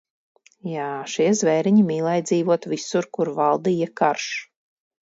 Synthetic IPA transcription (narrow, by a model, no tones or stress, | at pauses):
jaːʃiɛzvɛːɾiɲimiːlˠɛjd̪zʲiːvuɔt̪visuɾkuɾvalˠd̪iːjakaɾʃ